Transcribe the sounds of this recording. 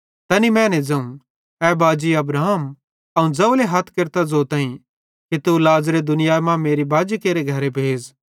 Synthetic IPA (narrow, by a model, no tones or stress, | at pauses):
t̪ɐnimɛ̃ːned͡zɐũ | ɛːbaːd͡ʒiɐbɾaːɦm | ɐũd͡zɐuleɦɐt̪ʰkeɾt̪ad͡zot̪ãːĩ | kit̪ulaːzɾed̪ʊnɪjaːmãmeːɾibaːd͡ʒikeːɾeɡʱɐɾebʱeːd͡z